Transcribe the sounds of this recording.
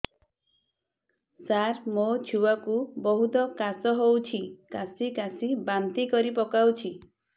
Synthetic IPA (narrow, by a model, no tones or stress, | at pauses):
saɾmot͡ʃʰuwakubɔɦut̪ɔkasɔɦowt͡ʃʰikasikasibant̪ikɔɾipɔkawt͡ʃʰi